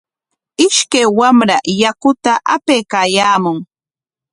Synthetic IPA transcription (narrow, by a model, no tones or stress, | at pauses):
ɪʃkajwamɾajakʊt̪aʔapejkaːjaːmʊŋ